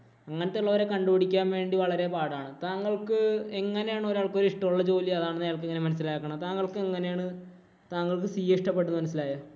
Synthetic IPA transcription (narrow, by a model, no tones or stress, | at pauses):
ɐŋːɐnet̪ːeɭːɐʋɐɾe̞kɐɳɖupɐɽikʲːaːmʋe̞ːɳɖiʋɐɭɐɾe̞paːɽaːɳɨt̪aːŋːɐɭkɨeŋːɐne̞jaːɳɨo̞ɾaːɭko̞ɾiʂʈɐmuɭːɐt͡ɕo̞ːliɐðaːɳɨnːɐjaːɭk̬ɨeŋːɐne̞mɐnɐs̬ːilaːkːɐɳɐt̪aːŋːɐɭkɨeŋːɐne̞jaːɳɨ | t̪aːŋːɐɭkɨsijɐiʂʈɐpːe̞ʈunːɨmɐnɐs̬ːilaːja